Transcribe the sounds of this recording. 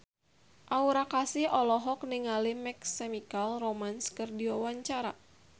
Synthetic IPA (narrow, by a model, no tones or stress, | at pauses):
ʔauɾakasɪhɔlɔɦɔk̚niŋalimɛksɛmikalromanskɨrdiɔwaɲt͡ʃaɾa